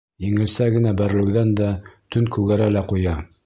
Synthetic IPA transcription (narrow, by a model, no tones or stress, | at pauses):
jiŋɘ̆lsæɡɘ̆næbæɾlɘ̆wðænd̪æt̪ɵŋkʉɡæɾælæqujɑ